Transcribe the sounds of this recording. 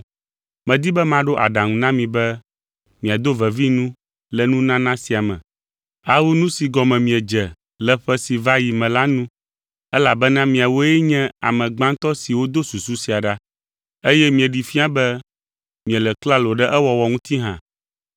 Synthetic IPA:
mɛ̃˨d̪i˦bɛ˦mã˦ɖo˦ʔa̰˨ɖa˨ŋũ˨nã˦mĩ˨bɛ˦ | mĩ˨a˨d̪o˦vɛ˨vi˦nũ˦ | lɛ˨nũ˦nã˦nã˦si˨a˨mɛ̰̃˨ | a˦wu˦nũ˦si˨ɡɔ˨mɛ̃˨mĩ˨ɛ˨d͡ʒɛ˨ | lɛ˨ɸɛ˦si˨va˦ji˨mɛ̃˨la˦nũ˦ | ɛ˦la˨bɛ˦nã˦mĩ˨a˨wo˦jɛ˦ɲɛ̃˦a˨mɛ̃˨ɡ͡bã˦nt̪ɔ˦si˨wo˦d̪o˦su˨su˦si˨a˨ɖa˦ | e˦jɛ˦mĩ˨ɛ˨ɖi˨fi˦a˦bɛ˦ | mĩ˨ɛ˨lɛ˨kla˦lo˨ɖɛ˦ʔɛ˦wɔ˨wɔ˨ŋũ˦t̪i˦ɦã̰˨

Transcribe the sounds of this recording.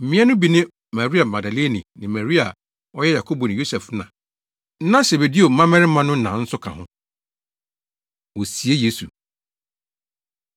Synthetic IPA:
m̩˨mĩ˦ɛ˦nʊ̃˦bi˨nɪ̃˦ | ma˨ɾi˦a˨ma˨da˨le˦nĩ˨nɪ̃˨ma˨ɾi˦a˨ | ɔ˦jɛ˦ja˨kʰo˦bo˨nɪ̃˨jo˦sɛ˨fnã̰˨˦ | nã˦se˨be˨di˦o˨˦mã˦mɛ̃˦ɾɪ˦mã˦nʊ̃˦nã˨˦n̩˦sʊ˦kʰã̰˨ɦʊ̃˦ | wɔ˨si˨e˦je˦su˨

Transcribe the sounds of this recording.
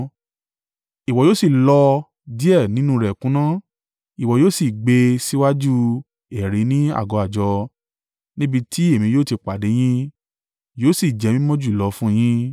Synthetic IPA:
i˨wɔ˨joː˦si˦˨lɔ˧ | di˦ɛ˦˨nĩ˨˦nũ˦ɾɛ˨kũ˨˦nã˦ | i˨wɔ˨joː˦si˦˨ɡ͡be˧si˦wa˦d͡ʒu˦ | ɛ˨ɾe˨˦nĩ˦a̰˦˨ɡɔ˨˧˦a˨d͡ʒɔ˧ | nĩ˦bi˧tʰi˦e˦˨mĩ˧joː˦˨ti˧k͡pa˨de˨˦j̃ĩ˦ | joː˦si˦˨d͡ʒɛ˨˦mĩ˦mɔ̃˦d͡ʒu˦˨i˨lɔ˧fũ˦˧j̃ĩ˦

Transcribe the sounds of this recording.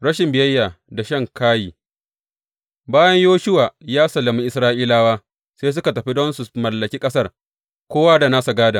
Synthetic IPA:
ɽɐ˦ʃɪ˨mbɪ˨jɐ˦jːa˨da˨ʃɐ˦˨ŋkaː˦jiː˨ | baː˦jɐ˦ɲjoː˦ʃʊ˦waː˨jaː˦sɐ˨lːɐ˨mi˦ʔɪ˨sɾaː˦ʔiː˦laː˦waː˦ | seː˦s̬ʊ˦ka˨tɐ˨ɸi˦dɔ˦nsu˨mɐ˨lːɐ˨kʲiː˦kʼɐ˦sɐ˦r | kʷoː˦waː˦da˨naː˦sa˨ɡaː˦da˨

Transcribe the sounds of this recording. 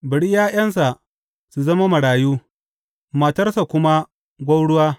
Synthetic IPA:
bɪ˨ɽi˦jaː˦j̰ɐ˦ns̬a˨ʔ | su˨zɐ˦ma˦mɐ˨ɽaː˨juː˦ | mɐ˨tɐ˦rsa˨kʷʊ˦ma˦ | ɡʷɐ˦wɽʊ˦waː˦

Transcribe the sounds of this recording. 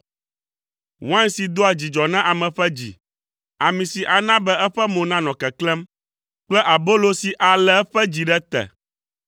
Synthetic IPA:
wã˦nsi˨d̪o˦a˨d͡ʑi˨d͡ʒɔ˨nã˦ʔa˨mɛ̃˨ɸɛ˦d͡ʑḭ˨ | a˨mĩ˨si˨ʔa˨nã˦bɛ˦ɛ˦ɸɛ˦mõ˨nã˦nɔ̃˨kɛ˨klɛ̃˦m | k͡plɛ˦ʔa˨bo˦lo˦si˨ʔa˨lɛ˦ɛ˦ɸɛ˦d͡ʑi˨ɖɛ˦t̪ɛ̰˨

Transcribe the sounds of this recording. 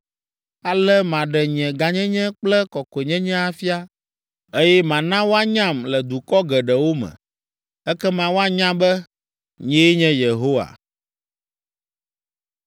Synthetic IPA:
a˨lɛ˦mã˨ɖɛ˨ɲ˨ɛ̃˨ɡa˨ɲɛ̃˦ɲɛ̃˦k͡plɛ˦kɔ˨ke˨ɲɛ̃˦ɲɛ̃˦a˦fi˦a˦ | e˦jɛ˦mã˨nã˦wo˦a˦ɲã˦˨mlɛ˨d̪u˨kɔ˦ɡɛ˨ɖɛ˨wo˦mɛ̰̃˨ | ɛ˦kɛ˦mã˨wo˦a˦ɲã˦bɛ˦ | ɲɛ̃˦ɲɛ̃˦je˨ɦo˦wa̰˨

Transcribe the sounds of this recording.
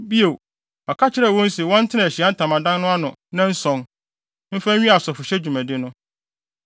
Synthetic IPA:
bi˦e˨ | a˨kʰa˦t͡ɕʰɪ˦ɾɛ˨wɔ̃˦n̩˦si˨wɔ̃˦n̩˦tʰɪ˦ã˨ɕi˨a˦n˦tʰã˨mã˨dã˦n˦nʊ̃˦a˦nʊ̃˨nã˦n̩˦sɔ̃˨ŋ | m̩˦fã˦ĩ˦a˨sɔ˨fʊ˨ɕɛ˦d͡ʑᶣu˨mæ̃˨dɪ˦nʊ̃˦

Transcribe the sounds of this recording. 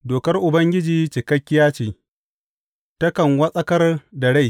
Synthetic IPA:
doː˨kɐ˦rʔʊ˨bɐ˦ŋɡʲɪ˦d͡ʒiː˨t͡ʃɪ˨kɐ˦kʲːɪ˦jaː˦t͡ʃiː˨ | tɐ˦kɐ˨ŋwɐ˦sʼɐ˦kɐ˦rdɐ˨ɽa˦j

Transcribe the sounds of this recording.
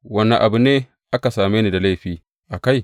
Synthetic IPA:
wɐ˦nːɐ˨ʔa˨bu˦neː˦ | ʔa˦ka˨saː˨meː˦ni˨da˨la˦jɸiː˦ | ʔa˨ka˦˨j

